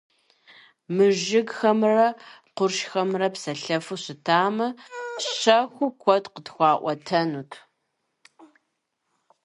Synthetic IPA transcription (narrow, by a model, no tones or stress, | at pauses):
mɨʒɪɡxɐmrɐqʷʊrʃxɐmrɐpsɐɬɐfɨɕɪtʰaːmɨɕɐxʷʊkʷʰɔtqədxʷɑːʔʷɔtʰɐnuːtʰ